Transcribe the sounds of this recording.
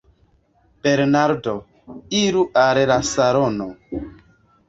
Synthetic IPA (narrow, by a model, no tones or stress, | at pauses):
b̥eɾnaɾdo | iɾuʔaɾeɾasaɾono